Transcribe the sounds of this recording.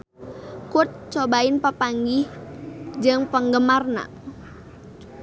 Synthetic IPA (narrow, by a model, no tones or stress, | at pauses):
kut̪̚t͡ʃobaɪnpəpaŋɡih | d͡ʒɨŋpəŋɡəmarna̰